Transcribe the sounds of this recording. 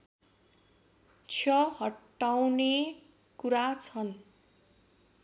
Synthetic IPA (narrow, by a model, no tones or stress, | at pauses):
t͡sʰjʌɦʌʈː | awne | kuɾat͡sʰʌn